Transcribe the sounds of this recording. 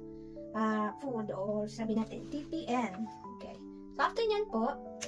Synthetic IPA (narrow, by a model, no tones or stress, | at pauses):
ʔafud̪oɾsabɪnaːt̪ɛ̰nt̪ipiʔɛn | okej | sɐap̚t̪ɪnɲanpoʔ